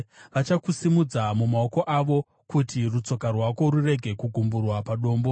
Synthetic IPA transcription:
ʋat͡ʃakusimud͡zamumao̞ko̞ʔaʋo̞ | kutirut͡so̞karwako̞rure̞ɡʱe̞kuɡʱumburwapaɗo̞ːmbo̞

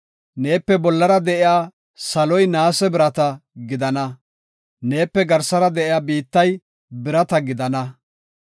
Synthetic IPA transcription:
ne̞ːpːɛbɔlːɐɾɐd̪ɛʔɪjaː | sɐlɔjnaːsɛbɪɾɐt̪ɐɡɪd̪ɐnɐ | ne̞ːpːɛɡɐɾsɐɾɐd̪ɛʔɪjaːbiːt̪ːɐj | bɪɾɐt̪ɐɡɪd̪ɐnɐ

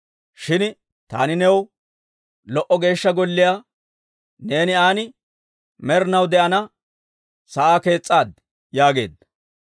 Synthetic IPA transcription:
ʃɪn | t̪a̰ːnɪnɛw | lɔʔɔɡe̞ːʃːɐɡɔlːɪjaː | ne̞ːnɪaːnɪ | mɛɾnɐwd̪ɛʔɐnɐ | sɐʔaːke̞ːt͡sʼːaːd̪ | jaːɡe̞ːd̪ɐ

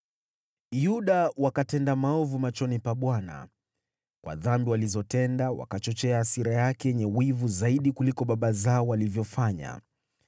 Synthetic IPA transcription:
juɗawakatɛndamaɔvumat͡ʃɔnipaɓwana̰ | kwʔa̰ðambiwalizɔtɛndawa̰kat͡ʃɔt͡ʃɛaːsiɾajakɛjɛɲɛwivuzaiɗikulikɔɓaɓazaɔwalivjɔfaɲa̰

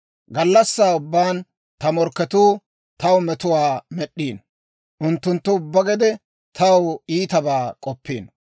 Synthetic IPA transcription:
ɡɐlːɐsːaːʊbːaːn | t̪ɐmɔɾkːɛt̪uː | t̪ɐwmɛt̪ʊwaːmɛɗːiːn | ʔʊnt̪ːʊnt̪ːʊʊbːɐɡɛd̪ɛ | t̪ʰɐwiːt̪ɐbaːkʼɔpːiːn

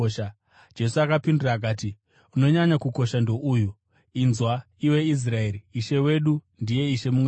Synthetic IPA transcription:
ʃa | d͡ʒe̞suakapinduraːk̬aːti | uno̞ɲaɲakuko̞ʃando̞ʔuju | inzwa | iwe̞is̬rae̞ɾiːʃe̞we̞ɗu | ndije̞iʃe̞mumwe

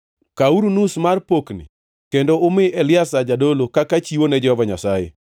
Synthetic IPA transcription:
kauɾunusmarpoknɪ̰ | kendoʊmɪɛlɪasad͡ʒadolokakat͡ʃiwonɛd͡ʒɛhɔvaɲasajḛ

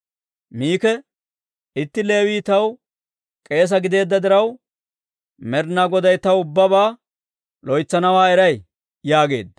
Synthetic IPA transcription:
miːkɛ | ɪt̪ːɪle̞ːwiːt̪ɐw | kʼe̞ːs̬ɐɡɪd̪e̞ːd̪ːɐd̪ɪɾɐw | mɛɾnaɡɔd̪ɐjt̪ɐwʊbːɐbaː | lɔjt͡sːɐnɐwaːɛɾɐj | jaːɡe̞̰ːd̪ɐ

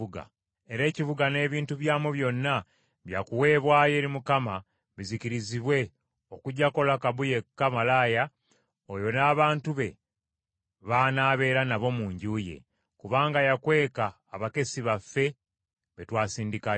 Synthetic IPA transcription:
uɡa̰ | eɾe̞ːciβuɡane̞ːβiːntuβjaːmuβjo̞nːa | βjakuwe̞ːβwaːje̞ːɾimukama | βiziciɾiziβwe̞ | o̞kuɟːako̞lakaβuje̞kːamalaːja | ojo̞naːβaːntuβe̞ | βaːnaːβe̞ːɾanaβo̞muːɲɟuːje̞̰ | kuβaːŋɡajakwe̞ːkaːβake̞siβafːe̞ | βe̞twaːsiːndika

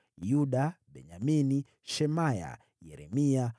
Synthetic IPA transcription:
juɗaɓɛɲamini | ʃɛmaja̰ | jɛɾɛmia

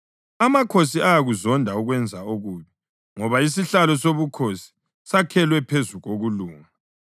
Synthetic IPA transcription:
amakʰosiajaɣuzɔndʱauɣwɛnd͡zʱaoɣuːβi | ŋɔβais̬iɬalɔsoβukʰosi̥ | sakʰɛlwɛpʰezuɣoɣuluːŋa

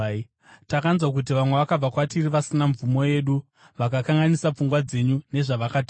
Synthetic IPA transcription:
takanzwak̬ut̬iʋamwe̞ʋakab͡vakwatiriʋasinaɱvumo̞je̞ːɗu | ʋakakaŋɡanisap͡fuŋɡwad͡ze̞ɲune̞ʐaʋakata

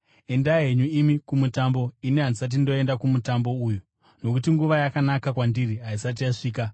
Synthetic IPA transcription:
e̞ndaɦeɲuimikumutambo̞iniɦanisat̬indo̞e̞ndakumutambo̞uːju | no̞kutiŋɡuʋajakanakakwandiriɦaisat̬ijaʂiːka

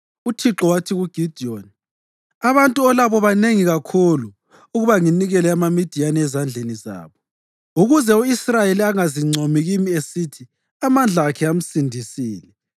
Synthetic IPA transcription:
utʰiǁɔwatʰiɣuɡ̥ʱid̥ʱioni | aβantʼuɔlaβɔβaneŋiɣakʰulu | uɣuβaŋiniɣɛlɛamamid̥ʱijanɛzand͡ɮʱeniza̰ːβɔ | uɣuzɛuisrajeliaŋaziŋ͡ǀʱomiɣimiesitʰi | amand͡ɮʱaːkʰɛam̩sindʱisiːlɛ

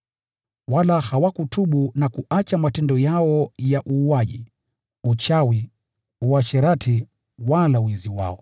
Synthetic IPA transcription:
walahawakutuɓunakuʔat͡ʃamatɛndɔjaɔjaʔuːaʄḭ | ut͡ʃawi | uwaʃɛɾatʰi | walawiziwa̰ɔ

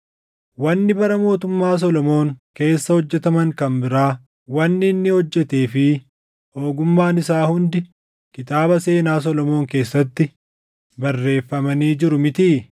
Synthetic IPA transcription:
wɐnːɪbɐɾɐmo̞ːt̪ʊmːaːs̬ɔlɔmo̞ːŋke̞ːsːɐhɔd͡ʒːɛt̪ɐmɐŋkɐmbɪɾaː | wɐnːɪnːɪhɔd͡ʒːɛt̪eːfɪ | ho̞ːɡʊmːaːnɪsaːhʊnd̪ɪ | kɪt̪ʼaːbɐse̞ːnaːs̬ɔlɔmo̞ːŋke̞ːsːɐt̪ːɪ | bɐrːe̞ːfːɐmɐniːd͡ʒɪɾʊmɪt̪iː

